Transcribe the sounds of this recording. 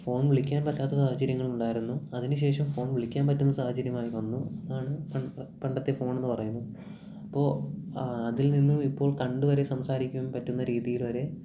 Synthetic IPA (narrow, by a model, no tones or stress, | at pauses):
fo̞ːɳʋiɭikʲːaːnpɐtːaːt̪ːɐsaːhɐt͡ɕɐɾjɐŋːɐɭuɳɖaːjiɾunːuɐðinuɕ̬e̞ːʂɐmfo̞ːɳʋiɭikʲːaːnpɐtːunːɐsaːhɐt͡ɕɐɾjɐmaːjiʋɐnːuɐðaːɳɨpɐpɐɳɖɐt̪ːe̞fo̞ːɳe̞nːɨpɐrɐjunːɐðɨ | ɐpːo̞ː | ɐðilninːumipːo̞ːɭkɐɳɖuʋɐɾe̞sɐmsaːɾikʲːuʋempɐtːunːɐɾiːðijilʋɐɾe̞